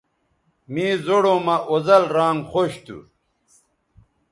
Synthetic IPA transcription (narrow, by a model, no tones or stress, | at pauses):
mĩːzoɽomɐʔozɐlɾaːŋɡχoɕt̪ṵ